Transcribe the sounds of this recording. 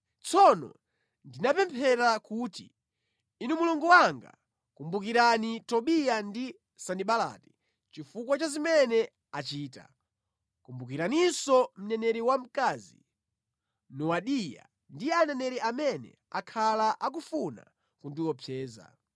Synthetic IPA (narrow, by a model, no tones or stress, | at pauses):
t͡sʰɔnɔ̰ | ndinapɛmpʰɛɾakuːtḭ | inumuluŋɡuwaŋɡa̰ | kumbukiɾanitɔɓijandi | saniɓala̰ːti̥ | t͡ʃifukwat͡ʃazimɛnɛ | at͡ʃiːta̰ | kumbukiɾaninsɔm̩nɛnɛɾiwam̩kazḭ | nɔwaɗija̰ | ndianɛnɛɾiamɛnɛ̰ | akʰalaʔak̬ufuna̰ | kundiwɔpʰjɛːza̰